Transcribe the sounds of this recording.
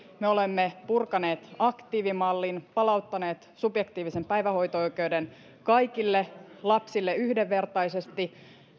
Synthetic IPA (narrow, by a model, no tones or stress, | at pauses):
meolemːepurkɑneːt̪ɑkt̪iːʋimɑlːinpɑlɑut̪ːɑne̞ːt̪subjekt̪iːʋisempæjʋæho̞jt̪oojkeuden | kɑjkilːelɑpsilːeyhdeʋːe̞rt̪ɑjsest̪i